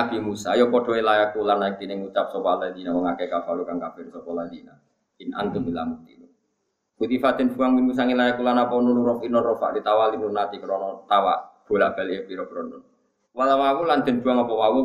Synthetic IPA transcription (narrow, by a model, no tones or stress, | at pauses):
ab̥imusajɔpɔɖ̥ɔ̤ilajakulanːaɪk̚t̪inɪŋut͡ʃap̚sɔpaland͡ʒinaməŋakɛkafalukaŋkab̥ɛrsɔpɔlanina | inʔa̰nt̪unilamuk̚t̪ḭnu | ut̪ifad̪̥ənd͡ʒuaŋbimus̬aŋilajakulanapɔnunuɾɔfinɔnrɔfa̰ʔdit̪awalinunat̪ikəɾɔnɔt̪awa̰ʔb̥o̤laʔb̥a̤liʔepiɾɔbɾɔnɔn | walawawuland̪̥ə̤nd͡ʒ̥uaŋapɔwawu